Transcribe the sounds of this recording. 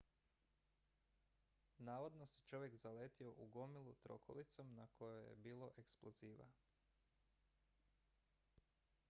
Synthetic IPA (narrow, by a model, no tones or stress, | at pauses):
naːʋo̞d̪no̞set͡ʃo̞ʋje̞kzaleːt̪io̞ʔuɡo̞milˠut̪ɾo̞̰kʰo̞̰lit̪so̞mnako̞jojḛbiːlˠo̞ʔe̞ksplˠoziːʋa̰